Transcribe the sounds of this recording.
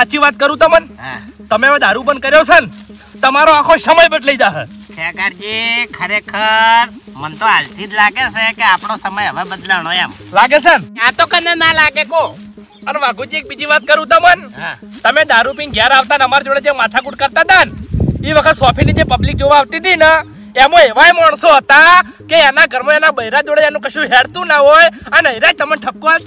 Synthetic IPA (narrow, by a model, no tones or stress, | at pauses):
aːt͡ʃʰiʋat̪̚kəɾũt̪omənã̰t̪əmeʋãd̪aɾubənkəɾjosənt̪əmaɾoakʰõsəməjbʱəʈləid̪aɦə | kʰeɡaɽt͡ʃikʰəɾekʰəɾmənt̪oalt̪ʰid̪laɡesʰekeapɳ̃osəməjɦəʋebəd̪laɳojamlaɡes̬ənat̪okənenalaɡeko | ənʋãɡũd͡ʒiek̚bid͡ʒiʋat̪̚kəɾũt̪əmən | t̪əmẽd̪aɾupiŋɡjaɾaʋt̪anəmaɾd͡ʒoɽed͡ʒemat̪ʰakuʈ̚kəɾt̪ad̪aniʋəkʰət̪sɔpʰinid͡ʒepəblik̚d͡ʒoʋaːʋt̪id̪inə | emõeʋajmaɳ̃soɦət̪a | keɛnaɡəɾmoenabəiɾad͡ʒoɽeɛnũkəʃũɦɛɽt̪ũnaɦojənəiɾad͡ʒ̚t̪əmənʈʰəkːũal